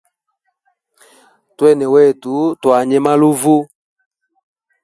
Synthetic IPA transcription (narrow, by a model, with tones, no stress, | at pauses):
twɛ˦˨nɛ˨wɛ˦˨tu˨˦twa˨ɲɛ˦ma˦lo˦vo˦